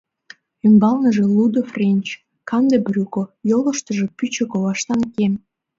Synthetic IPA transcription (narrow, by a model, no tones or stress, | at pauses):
ymbɑlnəʒĕlud̪ofrʲenʲt͡ɕ | kɑmd̪ebrʲukojolə̆ʃt̪ə̆ʒĕpyt͡ɕekoβɑʃt̪ɑnkem